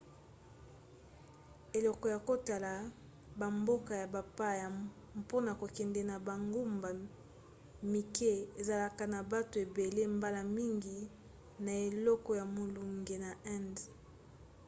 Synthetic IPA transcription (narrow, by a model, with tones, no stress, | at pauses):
e˨lɔ˨kɔ˨ja˨ko˦ta˨la˨ | ba˨mbo˦ka˨ja˨ba˨pa˦ja˨ | po˦na˨ko˨kɛ˨ndɛ˨na˨ba˨ŋɡu˦mba˨ | mi˨ke˦e˨za˨la˨ka˨na˨ba˦to˨e˨be˨le˦mba˦la˨mi˦ŋɡi˨ | na˨e˨lɔ˦kɔ˨ja˨mo˨lu˨ŋɡe˨na˨ʔɛ˦nd